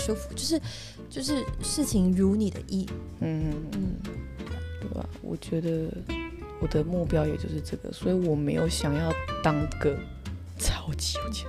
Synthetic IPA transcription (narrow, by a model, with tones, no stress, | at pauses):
ʂo˥ʊfu̥˧˩t͡ɕjo˥˧ʊʂɻ̩˥˩ | t͡ɕjo˥˧ʊʂ̬ɻ̩˥˧ʂɻ̩˥˩t͡ɕʰi˧˩ŋɻu˧˥ni˨˩d̪ə̰˦ʔi˥˩ | n̩˥˧˥n̩˥˩ | t̪wḛ˥˩ɪa̰˨˩wɔ̰˨˩t͡ɕɥɛ˧˥d̪ə˧ | wɔ˨˩d̪ə˦mu˥˩pjɑ˥ʊjɛ˨˩t͡ɕjo˥˧ʊʂɻ̩˥˧ʈ͡ʂɤ˥˩ɡə̰˩swɔ˧˥i˨˧wɔ˨˩me˧˥ɪjo˨˩ʊɕjɑ˨˩ŋjɑ˥˩ʊt̪ɑ˥ŋɡə˨ | t͡sʰɑ˨˩ʊt͡ɕi˨˧˥t͡ɕ